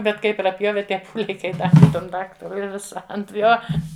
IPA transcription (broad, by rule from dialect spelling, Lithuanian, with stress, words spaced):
ˈbʲɛt ˈkɐɪ prɐˈpʲjoːʋʲɛ ˈtʲiɛ ˈpuːlʲɛɪ kɐɪ ˈdɑːʋʲɪ ˈtɐm ˈdɑːktɐrʊɪ ɪ ˈʋʲɪsɐ ɐnt ˈjoː